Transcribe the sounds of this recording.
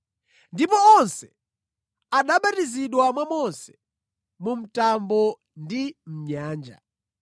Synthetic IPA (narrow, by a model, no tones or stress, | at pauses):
ndipɔɔnsɛ | aɗaɓatiziɗwamwamɔnsɛ̥ | mum̩tambɔ | ndim̩ɲaːnd͡ʒa̰